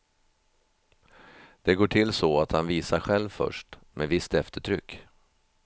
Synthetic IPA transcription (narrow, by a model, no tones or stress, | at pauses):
d̪̥ɛɡoːʈʰɪlːsɔat̪hanviːsaɾɧɛlvfœ̰ʂʈmevɪst̪ɛft̪əʈʰɾʏkː